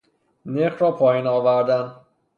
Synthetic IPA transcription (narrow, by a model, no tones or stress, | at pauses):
neɣɾɒːpʰɒːjinɒːvæɾd̪æn